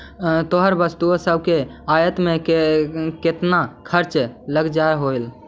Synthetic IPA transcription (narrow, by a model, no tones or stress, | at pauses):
t̪oɦəɾbəst̪uosəbʱkeajət̪mẽ | ket̪nakʰəɾt͡ʃləɡd͡ʒaeɦoil